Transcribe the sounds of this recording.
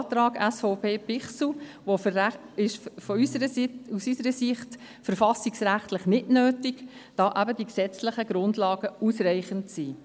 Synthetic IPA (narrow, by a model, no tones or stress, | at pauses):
tɾɑːɡæsfɔʊpʰeːpɪχsl̩ʋo | ɪʃfɔysəɾəusysəɾəsɪχt | fəɾfɑsɪksɾæχtlɪχnɪdnøːtɪɡd̥ɑːʔæbədiksɛt͡slɪχəɡ̥ɾʊndlɑːɡ̥əusrɛɪχəntsiː